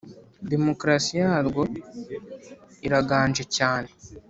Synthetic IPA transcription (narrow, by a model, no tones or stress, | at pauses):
de̞mo̞kɾasijaːɾɡo̞ | iɾaɡaːnʒe̞caːne̞